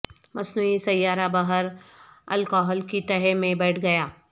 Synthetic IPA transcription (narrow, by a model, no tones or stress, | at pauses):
mɐsnuːisɐjːaːɾabɐɦəɾɐ̰lkɔːɦəlkit̪ɐɦemẽbɐʈʰɡɐjaː